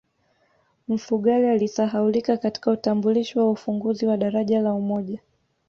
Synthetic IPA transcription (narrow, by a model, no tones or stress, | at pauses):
m̩fuɠalialisaɦaulikakati̥kautambuliʃiwaufuŋɡuziwaɗaɾaʄalaumɔʄa